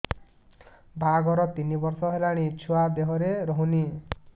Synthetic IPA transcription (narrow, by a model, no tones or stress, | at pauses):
bʱaɡʌɾʌt̪inibʌrsʌɦelaɽ̃it͡sʰuwab̪eɦʌɾeɾʌɦũni